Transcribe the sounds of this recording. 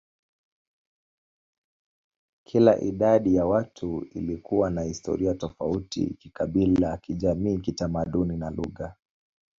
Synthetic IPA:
kʰilaʔiɗaɗijawatʰuḭlikuwanahistɔ̰ɾiatɔfautḭkikaɓilakiʄamiːkitamaɗuninaluɣa

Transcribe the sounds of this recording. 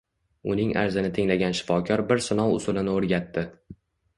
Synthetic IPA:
ʊnɪŋʔa̰ɾzɪnɪt̪ʰɪŋlaɡʲanʃɪ̥fɒkʲʰɒɾbɪɾsɪnɒwˠʊ̰sʊlɪnɪoɾɡʲat̪ːɪ

